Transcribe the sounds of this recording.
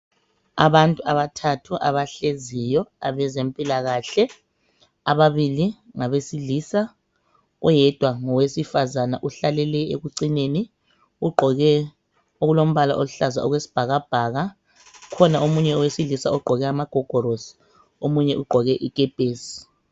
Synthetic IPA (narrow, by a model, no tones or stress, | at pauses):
aβantʼuaβatʰatʰuʔa̰βaɬezijɔa̰βɛzempʼilaɣaɬɛ | aβaβili | ŋaβesiliːsa | ujɛd̥ʱwaŋɔwesifazanaʔuɬalɛlɛḛɣuǀineni | ɣuɡ͡ǃʱɔɣɛ | oɣulom̩βala̰ʔouɬaza̰ɔɣwesi̥b̥ʱaɣab̥ʱaɣa | kʰɔnaomuɲɛɔwesilisaɔɡ͡ǃʱɔɣɛamaɡ̥ʱɔɡ̥ʱɔɾosi̥ | omuɲɛʔuɡ͡ǃʱɔɣɛʔikʼɛb̥ʱeːsi̥